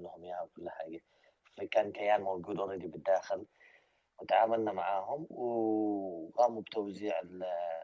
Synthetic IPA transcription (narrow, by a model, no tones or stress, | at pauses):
lhʊmjaawkʊlːħa̰ːɡa | fikaːnkajːaːnmawɡuːd̪wɾid̪ibɪd̪ːaːxɪl | wɪt̪ʕaːmalnamaʕaːɦʊmw | ɣaːmubt̪awziːʕɪl